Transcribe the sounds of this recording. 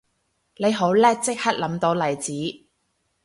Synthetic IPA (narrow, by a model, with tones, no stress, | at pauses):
le˨˧jɦo˨˥wlɛː˥k̚t͡sɪ˥k̚hɐ˥t̚lɐ˨˥mt̪o˨˧wlɐ˨˩jt͡siː˨˥